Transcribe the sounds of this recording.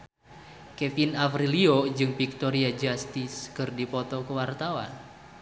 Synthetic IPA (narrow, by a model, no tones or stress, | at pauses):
kɛfinafɾiliod͡ʒɨŋfik̚t̪ɔɾiad͡ʒast̪iskɨrdipɔt̪ɔkəwart̪awa̰n